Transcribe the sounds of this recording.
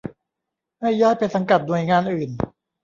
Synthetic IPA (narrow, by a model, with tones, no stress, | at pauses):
ma˥˩jːaː˥˩jpa˧sa˧ŋka˨˩t̪̚nu˨˩əjŋaː˧nʔɯː˨˩n